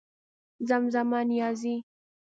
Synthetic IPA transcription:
zamzamanijazi

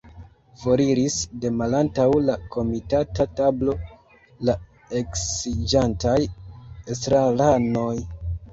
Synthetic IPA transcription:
voɾiɾisde̞malantawlako̞mitatatablo̞ | la | e̞ksid͡ʒantajestɾalano̞j

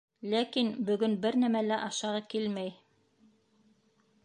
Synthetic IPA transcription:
lækinbɵ̆ɡɵnbɘɾnæmælæʔɑʃɑʁɑkilmæj

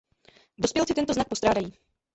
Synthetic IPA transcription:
do̞spjɛlt͡sɪt̪ɛnt̪oznak̚po̞st̪ɾaːdajiː

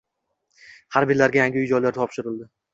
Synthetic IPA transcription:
haɾbɪɾlaɾɡʲajaŋɡʲɪʊjd͡ʒɒjlaɾt̪ʰɒpʃɪɾɪlˠd̪ɪ

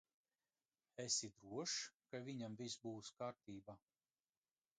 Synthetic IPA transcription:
ɛsid̪ɾuɔʃkavʲiɲamvisbuːskaːɾt̪iːba

